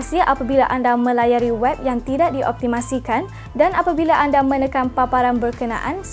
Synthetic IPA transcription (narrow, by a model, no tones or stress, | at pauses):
siʔapabilaʔandamə̃lajaɾiwɛp̚jaŋt̪idaʔdiʔɔ̰p̚t̪imãsikan | danapabilaʔandamə̃nə̃kanpapaɾanbərkənã̰ʔans